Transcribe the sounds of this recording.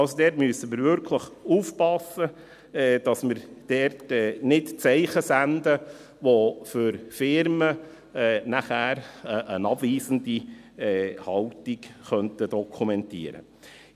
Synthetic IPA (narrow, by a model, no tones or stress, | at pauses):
ɑlsodɛːtmyəsəmɪɾvʏɾkʰləχuːfpɑsːə | ɛːd̥ɑsmɪɾd̥ɛɾtɛːnɪtt͡sɛɪχəsændə | ʋofʏɾfɪɾmə | ɛːnæχæːɾəʔənɑbviːsəndi | ɛhɑltikχœntədɔkʰumɛntḭːəɾə̰